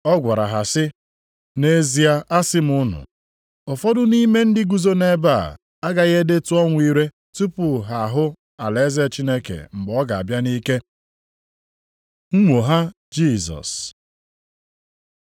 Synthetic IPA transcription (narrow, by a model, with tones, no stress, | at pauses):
ɔ˦ɡʷa˨ɾa˨ɦa˨sɪ˦ | ne˦zi˨a˦ʔa˦sɪ˦m̩˨ʊ˦nʊ̰˨ | ɔ˨fɔ˦dʊ˦ni˦me˦n̩˦dɪ˦ɡu˦zo˦ne˦ba˦˨ | a˦ɡa˨ɣe˦de˦tu˦ɔ˦ŋʷ˦i˦ɾe˦ | tu˦pʊ˨ɦa˨ɦʊ˦ | a˨le˨˦ze˦˨t͡ʃi˦ne˦kḛ˨m̩˨ɡ͡bɔ˦ɡa˨a˨bja˦ni˦ke˦ | ŋ̩˦ŋʷo˨ɦa˦ | d͡ʒi˦˨zɔ̰˨s